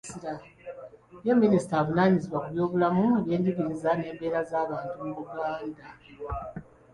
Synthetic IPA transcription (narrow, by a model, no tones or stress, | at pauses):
iɾa | jemːinisi̥taːβunaːɲiziβwakuβjo̞ːβulamuje̞ːndiβiːzane̞ːmbe̞ːɾazaːβaːntumuβuɡaːnda